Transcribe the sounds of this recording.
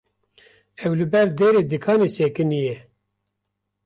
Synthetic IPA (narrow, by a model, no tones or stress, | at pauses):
ɛwlɨbɛɾd̪eːɾeːd̪ɨkʰɑːneːseːkɨnijɛ